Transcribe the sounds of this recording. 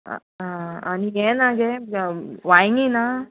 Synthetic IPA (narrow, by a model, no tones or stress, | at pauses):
ɦãanijenaɡe | ʋajiŋɡina